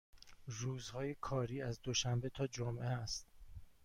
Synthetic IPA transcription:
ruːzhɒːje̞kʰɒːɾiːæzd̪oʃæmbe̞t̪ʰɒːd͡ʒomʔeæst̪̚

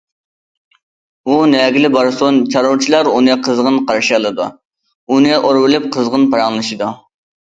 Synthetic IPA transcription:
unɛɡʲilɪbɑɾsont͡ʃʰɑɾoɾt͡ʃʰilˠɑɾunɨqʰəzʁənqʰɑɾʃiɑlˠɨd̪u | unɨʔoɾwɪlɪp̚qʰəzʁənpɑɾɑŋlˠɨʃid̪u

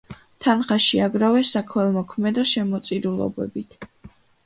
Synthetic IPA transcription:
t̪ʰanχaʃiaɡɾavɛsːakʰwɛlˠmɔkʰmɛd̪ɔʃɛmɔt̪sʼiɾulˠɔ̰bɛ̰bit̪ʰ

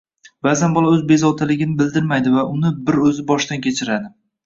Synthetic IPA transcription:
bazanbɒlˠaɵzbe̞zɒwt̪ʰalɪɡʲɪnɪbɪld̪ɪɾmajd̪ɪvaʔʊnɪbɪɾɵzɪbɒʃt̪ankʲʰe̞t͡ʃʰɪɾad̪ɪ

